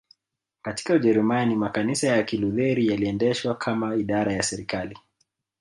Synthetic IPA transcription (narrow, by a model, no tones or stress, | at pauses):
kati̥kauʄɛɾumanimakanisajakiluðɛɾijaliɛndɛʃwakʰamaiɗaɾajasɛɾikali